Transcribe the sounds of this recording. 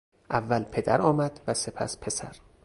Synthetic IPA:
ʔævːælpʰe̞d̪æɾɒːmæd̪̥væse̞pʰæ̰spʰe̞sæ̰ɾ

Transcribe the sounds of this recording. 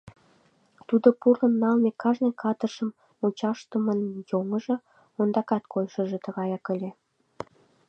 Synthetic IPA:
t̪ud̪opurənːɑlmekɑʒnĕkʰɑt̪əʃəm | ut͡ɕɑʃt̪əmənjoŋəʒɤ̆ | ond̪ɑkɑt̪kʰojʃə̆ʒĕt̪ə̆ɣɑjɑkəlʲe

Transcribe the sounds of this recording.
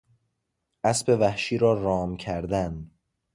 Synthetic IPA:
ʔæsbe̞væhʃiːɾɒːɾɒːmcʰæɾd̪æn

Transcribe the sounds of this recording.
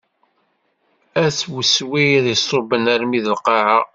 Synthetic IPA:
æswəswijðjisˤobənæɾmiðəlqɑʕa

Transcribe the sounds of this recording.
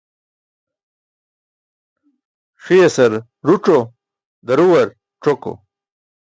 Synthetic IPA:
ʂijesɐɾ | ɾuʈ͡ʂo | d̪ɐɾuwɐɾ | ʈ͡ʂoko̰

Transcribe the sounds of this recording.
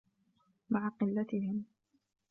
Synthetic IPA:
maʕaqɨlːat̪ɪhɪm

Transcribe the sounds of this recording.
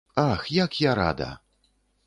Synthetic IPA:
axjakjaɾa̰d̪ɐ̰

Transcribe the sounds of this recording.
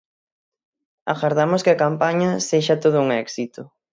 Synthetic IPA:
a̰ɣaɾðamʊskɪakampaɲɐseʃɐt̪oð̞ʊuŋɛksit̪ʊ

